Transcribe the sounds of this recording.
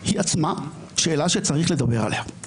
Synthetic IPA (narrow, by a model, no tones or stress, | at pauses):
hiat͡sma | ʃe̞ːlaʃet͡saʁiχle̞d̪abe̞ʁa̰leha